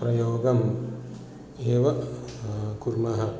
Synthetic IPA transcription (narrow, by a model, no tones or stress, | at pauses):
pɾɐjoːɡɐm | eːʋɐ | kuɾmɐɦɐ